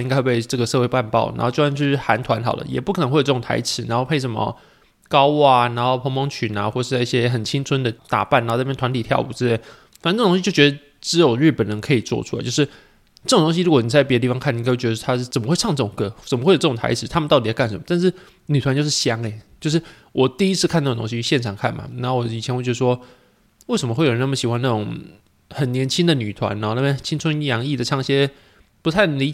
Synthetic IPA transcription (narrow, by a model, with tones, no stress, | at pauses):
i˥ŋa˥xwe˥˩pe˥˧ɪʈ͡ʂɤ˥˩ɡə˩ʂɤ˥˧we˥˧ɪpa˥˧npɑ̰˥˩ʊna̰˧˥xo˥˧ʊt͡ɕo˥˩˥t͡ɕo˥˧ʂɻ̩˥˩xa˧˦˥nt̪ʰwa˧˥nxɑ˨˩ʊlə̰˦jɛ̰˨˩pu˥k̪ʰə˧˥xwe˥˩jo˨˩˥ʊ˨ŋt̪ʰa̰˧˥ɪʈ͡ʂʰɻ̩˧˥na˧˦nxo˥˧ʊpʰe˥˩ɪʂ̬ə˧˥nmə̰˧ | kɑ˥ʊ˥˩na˧˥nxo˥˩ʊpʰo˧˥ŋmo˧˥ŋt͡ɕʰy˨˩na˧xwɔ˥˩ʂ̩˥˧˥i˥ɕjɛ˦xə˨˩nt͡ɕʰi˥ŋt͡sʰwə˥nd̪ə˨t̪a̰˨˩pa˥˩na˧˥˧jt̪ʰwa˧˥t̪i˨˩t̪ʰjɑ̰˥˩ʊu˨˩ɻ̩˥˧t̪we˥˩ | fa˨n˥˩˨t̪o˥ɕi˥t͡ɕo˥˩ɥʲɛ˧d̪ə˧ | ʈ͡ʂɻ̩˧˥jo˨˩ʊɻ̩˥˩pə˨˩nnə˧˥ŋkʰɤ˧˥i˨˩t͡swɔ̰˥˧ʈ͡ʂʰu˥a˧˦t͡ɕo˥˧ʊʂɻ̩˥˩ | ʈ͡ʂɤ˥˩˨t̪o˥ŋɕi˧ɻu˧˥kwɔ˧˩ni˨˩t͡sa˥˩ɪpjə˧t̪i˥˩fɑ˧˥ŋkʰa˥˩ni˨˧kʰwt͡ɕʲjɛ˧˥ə˧˥a˥˩t͡sə˨˩mə˦xwe˥˧ɪ˥˧ŋʈ͡ʂɤ˥˩ʈ͡ʂʊ˨˩ŋkɤ˥˧t͡sə˨˩mə˦we˥˩jʈ͡ʂt̪ʰa̰˧˥ɪʂɻ̩˨˩˦t̪ʰa˥mə˨nɑ˥˩t̪i˨˩jka˥˩nʂə˧˦mə˦t̪a˥˧nʂɻ̩˥˩ | ny˨˩t̪ʰwa˦nt͡ɕo˥˧ʊʂɻ̩˥˩ɕjɑ˥ŋe˧ɪt͡ɕjo˥˧ʊʂ̬ɻ̩˥˩ | wʔɔ˨˩t̪i˥˧i˥t͡s̩ʰ˥˧kʰa˥˧t̪a˥˩d̪ə˨˩o˥ŋ˥ɕi˥ɕjɛ˥˩nʈ͡ʂʰɑ˨˩ŋkʰa̰˥˩nma̰˨˩na˧˥o˥˩wɔ˨˧˦i˨˩t͡ɕʰɛ˧nxwe˥˩t͡ɕɛ˧˥ə˧˩ʂwɔ˥ | we˥˩ʂə˧˦mə˧we˥˩ɪo˨˩n˥˩mə˩ɕi˨˩wa˦na˥˩ʊ˨˦ŋ | xə˨˩nnjɛ˧˥nt͡ɕʰi˥nd̪ə˨ny˨˩t̪ʰwa̰˧˦na˧˩˦na˥˩˥t͡ɕʰi˥ŋt͡sʰʊ˥ŋjɑ˧˥ŋi˥˩d̪ə˩ʈ͡ʂʰɑ˥ŋɕjɛ˥ | pu˧˥a˥˩ɪli˧˥